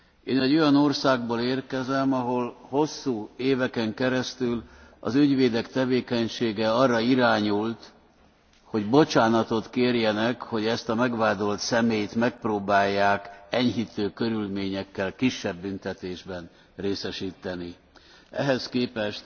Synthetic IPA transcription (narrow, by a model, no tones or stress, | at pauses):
eːnɛɟːo̞jɒno̞rsaːɡ̚boleːrkɛzɛmɒɦo̞lho̞sːuːeːvɛkɛŋkɛɾɛst̪ylɒ̰zyɟʋeːd̪ɛkt̪ɛveːkɛɲʃeːɡɛɒrːɒiɾaːɲult̪ | ho̞ɟbo̞t͡ʃaːnɒt̪o̞t̪keːrjɛnɛkho̞ɟɛst̪ɒmɛɡʋaːd̪o̞lt̪sɛmeːjt̪mɛk̚proːbaːjːaːkɛɲɦit̪øːkø̞ɾylmeːɲɛkːɛlkiʃːɛbːynt̪ɛt̪eːʒbɛn | reːsɛʃiːt̪ːɛni | ɛ̰ɦɛskeːpɛʃt̪